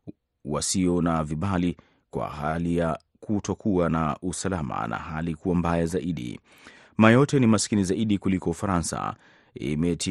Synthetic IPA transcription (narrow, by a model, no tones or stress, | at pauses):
wasiɔnaviɓali | kwa̰ɦalija | kutɔkuanaʔusalama̰nʔa̰ɦalikuwambajazaʔiɗḭ | majɔtɛnimaskinizaiɗikulikɔufaɾansa̰ | ḭmɛtʰi